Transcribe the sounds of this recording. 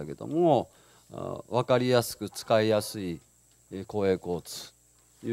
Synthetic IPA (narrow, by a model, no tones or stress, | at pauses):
ake̞d̪o̰mo | βakaɾʲijasɨ̥kɯ̟t͡sɨ̥kaijasɨi | ko̞ːe̞ːko̞ːt͡sɨ̥ | j